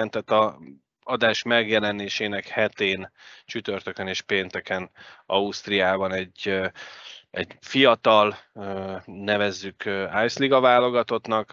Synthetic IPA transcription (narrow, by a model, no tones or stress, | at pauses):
ɛnt̪ɛt̪ːɒ | ɒd̪aːʃmɛɡjɛlɛneːʃeːnɛkhɛt̪eːnt͡ʃyt̪ørt̪økɛneːʃpeːnt̪ɛkɛnɒust̪rijaːbɒnɛɟ | ɛ̰ɟfijɒt̪ɒlønɛvɛzːykøaːjsliɡɒvaːlo̞ɡɒt̪o̞t̪nɒk